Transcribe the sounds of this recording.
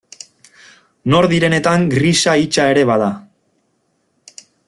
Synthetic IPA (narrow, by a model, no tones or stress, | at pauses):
no̞ɾðiɾe̞ne̞t̪aŋɡrisait͡ʃae̞ɾe̞βaða